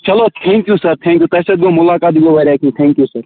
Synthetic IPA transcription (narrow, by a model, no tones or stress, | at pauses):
t͡ʃɐlot̪ʰɛ̃ːŋkjusɐɾt̪ʰɛ̃ŋkjuːt̪ɐsɐd̪ɡomʊlaːkaːt̪ɡobʱɐɾaːkĩːt̪ʰɛ̃ːŋkjusɐɾ